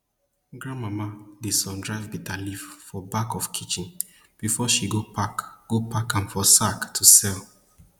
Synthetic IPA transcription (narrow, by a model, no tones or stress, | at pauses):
ɡɹãnmamadisɔ̃ndɹaɪvbitʰaliffɔbakɔfkʰit͡ʃĩn | b̥ifɔʃiɡopʰakɡ̥opʰakãnfɔsaktʰusɛl